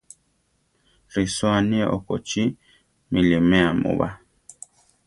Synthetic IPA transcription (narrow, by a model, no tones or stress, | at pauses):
ɾiswaniɛʔɔkɔt͡ʃi | milimɛamṵβa̰